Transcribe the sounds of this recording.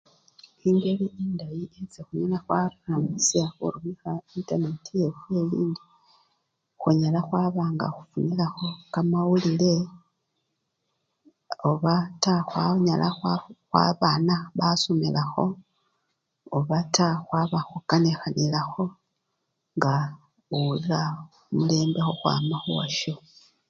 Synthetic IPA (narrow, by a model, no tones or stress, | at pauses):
iːŋɡe̞βiendajiet͡sexuɲenaxwaɾunamusiaxṵɾumixaintane̞tʰije̞fwe̞liːndi | xuɲalaxwaːβaːŋɡa̰xufunilaxo̞kamawulile̞ | oβataxwaɲalaxwaxwa̰βaːnaβasomilaxo̞̰ | oβataxwaβaxukanexanilaxo̞ | ŋɡa | olila | mule̞ːmbe̞xoxwa̰ːmaxuwa̰ʃo